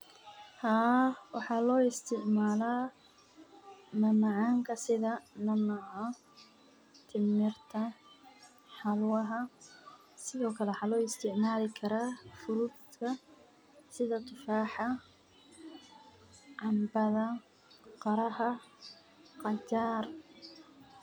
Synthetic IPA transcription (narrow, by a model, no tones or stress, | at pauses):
haːwɑħɑːlɔːɪst̪ʰɪʕmaːlaː | mɐnɐʕɑːŋkʰɐsɪðɐnɐnɐʕɔ | t̪ʰɪmɪrt̪ʰɐ | ħɑlwɐɦɐ | sɪðɔːkʰɐlɛwɑħɑːlɔːɪst̪ʰɪʕmaːlɪkʰɐɾaːfʊɾud̪t̪kʰɐ | sɪðɐt̪ʰɨfaːħɑ | ʕɑmbɐðɐ | qɑɾɐhɐ | qɑt͡ʃaːr